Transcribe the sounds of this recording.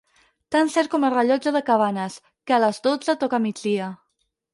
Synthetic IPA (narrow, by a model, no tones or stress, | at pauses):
t̪ansɛɾ̚kɔmərəʎɔd͡ʒəðəkaβanəs | kəaləzd̪od͡zət̪ɔkamid͡ʒd̪iə